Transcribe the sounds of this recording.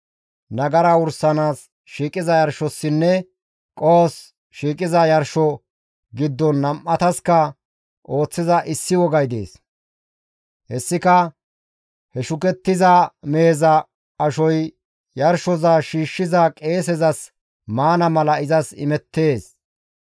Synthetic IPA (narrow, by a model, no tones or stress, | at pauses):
nɐɡɐɾɐʊɾsɐnaːs | ʃiːkʼɪzɐjɐɾʃɔsːɪnːɛ | kʼoːs | ʃiːkʼɪzɐjɐɾʃɔ | ɡɪd̪ːɔnːɐmʔɐt̪ɐskɐ | ʔo̞ːt͡sːɪzɐʔɪsːɪwɔɡɐjd̪ḛːs | hɛsːɪkɐ | hɛʃʊkɛt̪ːɪzameːzɐ | ɐʃɔj | jɐɾʃɔzaːʃiːʃːɪzɐkʼe̞ːsɛzɐs | maːnɐmɐlɐɪzɐsɪ̰mɛt̪ːe̞ːs